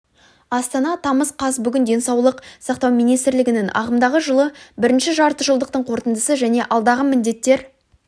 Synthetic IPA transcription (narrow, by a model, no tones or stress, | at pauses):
ɑst̪ɑnɑt̪ʰɑməsqʰɑsbʏɡʲɪnd̪e̞nsɑwlˠəqsɑqt̪ɑwmijnijst̪ɾlɪɡʲɪnɪŋɑ̰ʁəmd̪ɑʁəʒəlˠəbɪɾɪnʃɪʒɑɾt̪əʒəlˠd̪əq̚t̪əɴqʰo̞ɾt̪ənd̪əsəʒæne̞ʔɑlˠd̪ɑʁəmɪnd̪e̞t̪ːe̞ɾ